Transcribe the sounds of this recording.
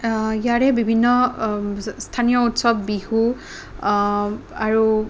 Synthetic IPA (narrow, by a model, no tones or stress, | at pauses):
ijaɹɛbibʱinːɔ | stʰanijɔutsɔbːihu | aɹu